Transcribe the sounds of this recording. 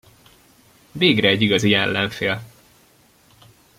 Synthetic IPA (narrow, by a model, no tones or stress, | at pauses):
veːɡrɛːɟiɡɒziɛlːɛɱfeːl